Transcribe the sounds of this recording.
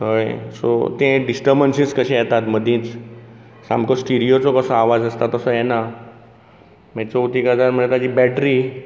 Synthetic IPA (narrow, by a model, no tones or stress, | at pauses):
ɦəjso̰t̪ẽɖisʈəɾbənsĩskəɕẽjɛt̪at̪məd̪ʱĩːt͡s | sa̰mkɔsʈiɾijot͡sɔkəsɔ̃aʋad͡zəst̪at̪əsɔjɛna | mɛt͡sɔut̪ikad͡zaɾmənet̪at͡ɕiːbɛʈɾi